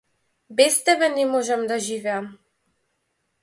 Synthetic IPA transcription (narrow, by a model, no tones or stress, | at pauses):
bɛst̪ɛbɛnɛmɔʒɛmd̪aʒivɛam